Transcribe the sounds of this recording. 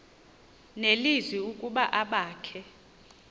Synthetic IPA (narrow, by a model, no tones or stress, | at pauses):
nelizwiukʼuɓaʔaɓaːkʰɛ